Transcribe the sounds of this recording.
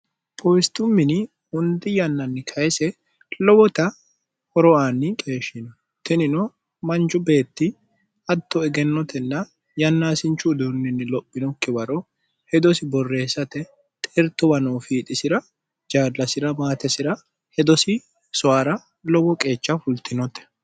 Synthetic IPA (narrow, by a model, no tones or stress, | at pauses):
pʼɔjst̪ʊmːɪnɪ | hʊnd̪ɪjɐnːɐnːɪkʰɐjɛsɛ | lɔbɔt̪ɐ | hɔɾɔaːnːɪkʼe̞ːʃɪnɔ | t̪ɛnɪnɔ | mɐnd͡ʒʊbe̞ːt̪ːɪ | ɐt̪ːɔɛɡɛnːɔt̪ʰɛnːɐ | jɐnːaːsɪnt͡ʃːʊd̪unːɪnːɪlɔpʼːɪnɔkːɪbɐɾɔ | hɛd̪ɔsɪbɔrːe̞ːsɐt̪ɛ | t̪ʼɛɾt̪ːɔbɐnɔwfiːt̪ʼɪsɪɾɐ | d͡ʒaːdːɐsɪɾɐmaːt̪ɛsɪɾɐ | hɛd̪ɔsɪ | sɔaːɾɐ | lɔbɔkʼe̞ːt͡ʃːɐfʊlt̪ɪnɔt̪ɛ̥